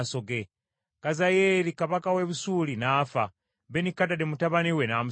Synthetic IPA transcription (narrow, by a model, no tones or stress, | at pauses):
so̞ɡe | kazajeɾikaβakaweβusuːlinaːfa | benikatademutaβaniwenamu